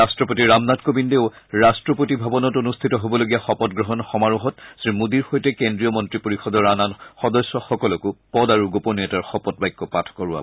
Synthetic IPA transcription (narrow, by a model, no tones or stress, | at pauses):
astɹɔpotiɹamnatkobindeʊ | ɹastɹɔpotibʱabɔnɔtonustʰitɔɦobɔloɡijaxɔpɔt̚ɡɹɔɦɔnxɔmaɹuɦɔtsimudiɹxojtɛkendɹijɔmɔntɹipoɹixɔdɔɹananxɔdɔsːɔxɔkɔlɔkʊpɔdaɹuɡopɔniɛtaɹxɔpɔt̚bajkːɔpatʰɔ̥kɔɹua̰bɔ